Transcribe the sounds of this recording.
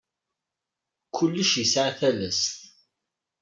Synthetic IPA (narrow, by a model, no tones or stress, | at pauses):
kʰːʊlːəʃjisʕaθælæsθ